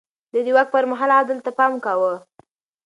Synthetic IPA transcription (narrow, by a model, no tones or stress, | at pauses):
d̪əd̪iwak̚pəɾmaɦɑlad̪əlt̪apɑmkawə